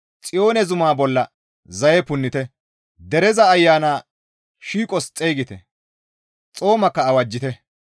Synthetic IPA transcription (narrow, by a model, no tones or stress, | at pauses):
t͡sʼɪjo̞ːnɛzʊmaːbɔlːɐ | zɐjɛpʊnːɪt̪ɛ | d̪ɛɾɛzɐːjːaːnaː | ʃiːkʼɔst͡sʼeːɡɪt̪ɛ̰ | t͡sʼo̞ːmɐkːɐːwɐd͡ʒːɪt̪ɛ